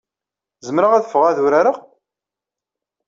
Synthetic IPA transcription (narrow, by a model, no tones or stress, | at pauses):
zəmɾəʁæðəfəʁaðʊɾaɾa